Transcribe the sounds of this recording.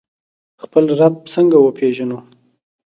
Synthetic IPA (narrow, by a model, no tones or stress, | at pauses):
xpəlɾab̚səŋɡawəpʰeʒanu